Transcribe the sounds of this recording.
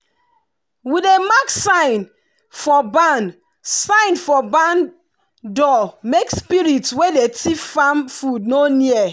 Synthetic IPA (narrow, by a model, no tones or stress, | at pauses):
widemaksaɪ̃n | fɔban | sãɪ̃nfɔbãn | dɔmekspiɹitswedetiffamfudnoniɛ